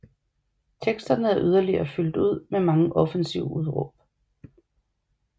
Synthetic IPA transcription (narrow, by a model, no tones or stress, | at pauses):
t͡sʰeɡ̥sd̥ɐnəæɐʔyð̞ˠɐliɐːfyl̰d̥uð̞̰ˠmemɑ̈ŋəʔɒ̽fənsiʊəuð̞ˠʁo̰b̥